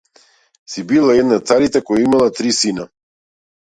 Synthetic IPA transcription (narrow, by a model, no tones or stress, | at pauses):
sibilˠaɛd̪nat̪saɾit̪akɔjaimalˠat̪ɾisina